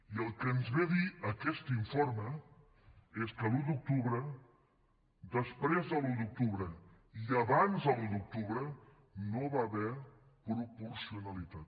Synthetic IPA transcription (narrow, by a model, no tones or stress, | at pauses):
iəlˠkənzβeðiəkɛst̪iɱfoɾmə | eskəlud̪uk̚t̪uβɾə | d̪əspɾezðəlud̪uk̚t̪uβɾə | iəβanzəlud̪uk̚t̪uβɾə | noβaːβɛɾ | pɾupuɾsiunəlit̪at̪